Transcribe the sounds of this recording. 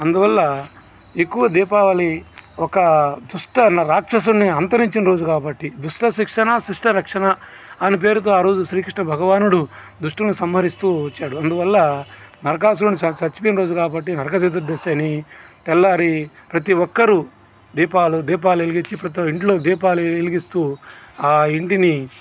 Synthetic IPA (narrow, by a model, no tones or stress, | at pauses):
ɐnd̪uʋɐlːɐ | ekːuʋɐd̪iːpaːʋɐliɔkɐd̪uʂʈɐnɾaːkʂɐs̬uniɐnt̪ɐɾiɲt͡ʃinɐɾo̞ːd͡ʒukaːbɐʈːid̪uʂʈɐʃikʂɐnɐʃiʂʈɐɾɐkʂɐnɐːnip̬e̞ːɾut̪oːaːɾo̞ːd͡ʒuʃɾiːkɾiʂʈɳɐbʱɐɡɐʋaːnuɽud̪uʂʈinusɐmɐɾist̪uːɐt͡ʃːaːɽuɐnd̪uʋɐlːɐ | nɐɾɐkaːs̬uunisɐt͡ʃɐt͡ʃipinɐɾo̞ːd͡ʒukaːbɐʈːinɐɾɐkɐt͡ʃeːd̪uɾd̪ɐʃanit̪ɛlːaːɾipɾɐt̪̬iwɔkːɐɾu | d̪iːpaːlud̪iːp̬aːlueliɡit͡ʃːipɾɐt̪̬iiɳʈlo̞ːd̪iːpaːlueliɡist̪uːaːiɳʈini